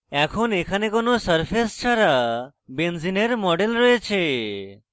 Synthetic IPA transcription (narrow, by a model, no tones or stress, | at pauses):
ɛkʰonekʰanekonosəɾpʰest͡ʃʰaɾa | benzineɾmɔɖelɾɔet͡ʃʰe